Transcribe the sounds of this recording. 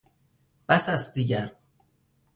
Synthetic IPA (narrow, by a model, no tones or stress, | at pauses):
b̥æsæsd̪iːɟæɾ